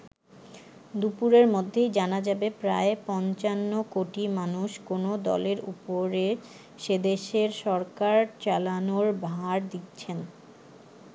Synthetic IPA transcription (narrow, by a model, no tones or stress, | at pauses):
d̪upuɾeɾmod̪ʱːejd͡ʑanad͡ʑabepɾaepɔnt͡ɕanːokoʈimanuʃkonod̪ɔ̰leɾṵpoɾe | ʃed̪eʃeɾʃɔɾkaɾt͡ɕalanoɾbaaɾd̪it̪t͡ɕʰen